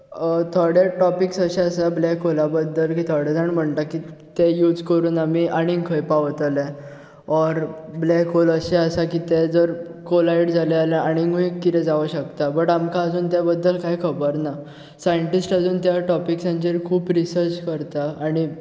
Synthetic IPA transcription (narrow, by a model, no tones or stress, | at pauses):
ət̪ʰoɽeʈɔpiksəɕɛəsablɛkɦolabəd̪ʱːəlkiːt̪ʰoɽɛd͡zəɳm̤əɳt̪akit̪ejuːd͡zkəɾuːnamiʔaɽ̃iŋkʰəjpaʋt̪əle | ɔɾblɛkoləɕeəsakit̪ed͡zəɾ | kolaiɽd͡zalealeaɽ̃iŋuikkːit̪ɛ̃d͡zaʋəɕəkt̪abəʈamkaəd͡zuːnt̪jabəd̪ːəlkajkʰəbəɾna | sajəɳʈisʈad͡zuːnt̪jaʈɔpiksãnt͡ɕeɾkʰuːpɾisəɾt͡ɕkəɾt̪aːɽ̃i